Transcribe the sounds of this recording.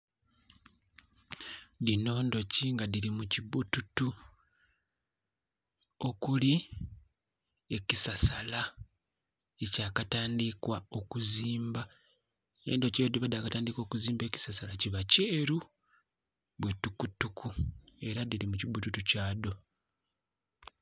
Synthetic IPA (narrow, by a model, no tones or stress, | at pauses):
dino̞ːndo̞ciŋɡadiɾimuciβututu | o̞kuli | e̞cisasala | ecaːkataːndikwao̞kuziːmba | ḛːndo̞ceodiβadaːkataːndiko̞ːkuziːmbe̞ːci̥sasalaciβaceːɾu | βwe̞tukutukʰue̞ɾadiɾimucibututucaːdo̞